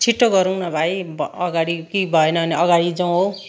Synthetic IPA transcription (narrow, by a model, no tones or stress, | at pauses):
t͡sʰiʈːoɡʌɾuwnʌbʱaibʌʌɡaɽikibʱʌenʌɦʌniʌɡaɽid͡zaw̃ɦo